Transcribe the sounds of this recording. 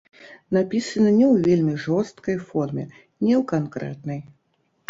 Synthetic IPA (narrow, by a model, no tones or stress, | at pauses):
napʲisɐnɐnʲɛwvʲelʲmʲiʐɔst̪kɐjfɔrmʲɛ | nʲɛwkankɾɛ̰t̪nɐj